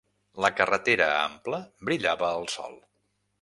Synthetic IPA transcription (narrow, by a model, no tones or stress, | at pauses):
ləkərət̪eɾəa̰mpləbɾiʎaβəːlˠsɔ̰lˠ